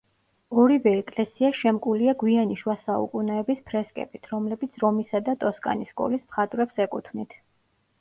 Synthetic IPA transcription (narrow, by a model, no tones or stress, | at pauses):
ɔɾivɛɛkʼlɛsiaʃɛmkʼuliaɡwianiʃwasaṵkʼunɛːbispʰɾɛskʼɛ̰bit̪ʰɾɔmlɛbit̪sʰɾɔmisad̪at̪ʼɔskʼa̰niskʼɔ̰lismχat̪ʼɾɛpsɛkʼut̪ʰvnit̪ʰ